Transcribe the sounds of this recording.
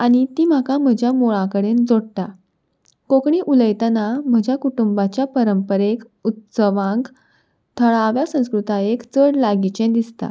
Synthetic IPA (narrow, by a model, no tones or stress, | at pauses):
aɽ̃it̪iːm̤akam̤əd͡ʑʱjamoɭãkəɽend͡zoɽt̪a | kokɳiːʔuləjt̪ənam̤əd͡ʑʱjakuʈumbat͡ɕjapəɾəmpəɾek | ut̪səʋãŋk | t̪ʰəɭaʋjasə̃w̃skɾut̪aekt͡səɽlaɡit͡ɕẽd̪ist̪a̰